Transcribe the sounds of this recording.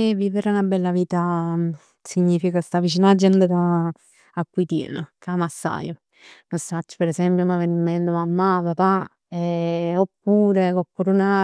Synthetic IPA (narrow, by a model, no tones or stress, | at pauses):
vːiːveɾenabɛlːaviːt̪a | siɲːiːfikast̪avit͡ʃinad͡ʒːɛnd̪ed̪a | akːwit̪ḭnəkamasːa̰jo | nosat͡ʃːə̥peɾezɛmpjomavenmːɛnd̪omamːapapa | ɛopːuːɾekokːuɾuna